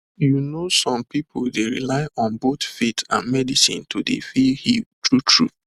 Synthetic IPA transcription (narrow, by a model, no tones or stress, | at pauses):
junosɔ̃mpipʰoldeɹḭlaɪʔɔ̃nboθfitã̰nmɛdisḭ̃ntʰudḛfihitʰɹutʰɹṵ